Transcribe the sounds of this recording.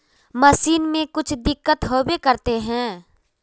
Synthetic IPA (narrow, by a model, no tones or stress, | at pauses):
məsiːnmẽkʊt͡ʃʰd̪ɪkːət̪ɦobekəɾt̪eɦɛ̃ː